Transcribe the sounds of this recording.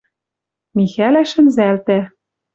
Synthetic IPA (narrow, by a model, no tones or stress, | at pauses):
mixælæʃɘ̆nzælt̪æ